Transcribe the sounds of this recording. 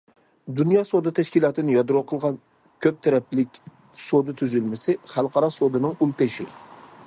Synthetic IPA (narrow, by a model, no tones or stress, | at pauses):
d̪unjɑːsod̪ɨt̪ʰɛʃkʲilˠɑːt̪ʰɨnɪjɑd̪ɾoqʰəlˠʁɑn | kʲʰøp̚t̪ʰɛɾɛplɪkʲ | sod̪ɨt̪ʰyzylmɪsɪχælˠqɑɾɑsod̪ɨnɨŋulˠt̪eʃɪ̰